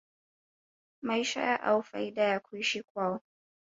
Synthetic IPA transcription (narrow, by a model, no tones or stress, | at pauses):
majʃa̰jaʔa̰wfa̰idajakʰʷujʃikʷaːwo